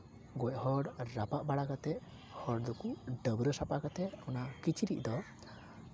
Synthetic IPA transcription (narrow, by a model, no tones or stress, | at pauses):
ɡɔʔhɔɽɾapaʔbaɽakat̪ɛʔ | hɔɽd̪ɔkuɖəbɾəsapakat̪ɛʔɔnakit͡ʃʰiɾiʔ̚d̪ɔ